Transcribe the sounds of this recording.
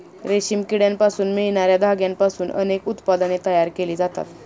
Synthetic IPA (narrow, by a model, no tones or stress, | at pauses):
ɾeɕiːmkiɽjampasuːnmiɭɳ̃aɾjad̪ʱaɡjampasuːnʔə̰nekut̪pad̪ənet̪əjaɾkeliːd͡zat̪a̰t̪